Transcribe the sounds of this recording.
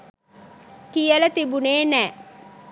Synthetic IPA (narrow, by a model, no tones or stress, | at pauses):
kijələt̪ibuneːnɛː